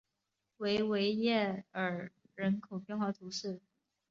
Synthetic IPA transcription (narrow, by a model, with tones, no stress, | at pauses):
we˧˥ɪwe˧˥ɪjɛ˥˩ə˞˨˩ | ɻə˧˥nkʰo˨˩ʊpjɛ˥˧nxwa˥˩t̪ʰu˧˥ʂɻ̩˥˩